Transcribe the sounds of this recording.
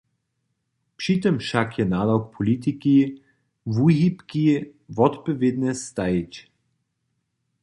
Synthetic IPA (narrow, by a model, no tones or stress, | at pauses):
pʂit̪ɔmʃakjɛnaːlawk̚pʰɔlit̪̬iki | vuɦipkivɔt̪pɔvʲjed̪nʲɛst̪ajit͡ɕ